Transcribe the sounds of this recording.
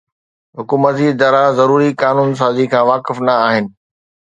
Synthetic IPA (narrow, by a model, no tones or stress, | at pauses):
ɦʊkuːmət̪zid̪aːɾazɐɾuːɾikaːnuːns̬aːzikʰãːʋaːkɪfnɐaːɦɪnɪ̆